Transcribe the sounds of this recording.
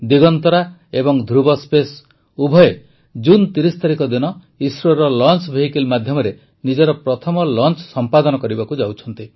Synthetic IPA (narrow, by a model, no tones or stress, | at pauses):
d̪iɡɔnt̪ɔɾaebɔŋd̪ʱɾubɔspes | ubʱɔje | d͡ʒunt̪iɾist̪aɾikɔd̪inɔ | isɾɔeɾɔlɔnt͡ʃbʱeɦikelmad̪ʱjɔmɔɾe | nid͡ʒɔɾɔpɾɔt̪ʰɔmɔlɔnt͡ʃsɔmpad̪ɔnɔkɔɾibakud͡ʒawt͡ʃʰɔnt̪i